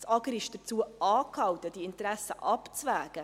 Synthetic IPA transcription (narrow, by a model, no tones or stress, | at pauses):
sɑɡəɾɪʃd̥ət͡suəɑːkhɑwtəd̥iɪntɾæsəʔɑpt͡svæːɡ̥ə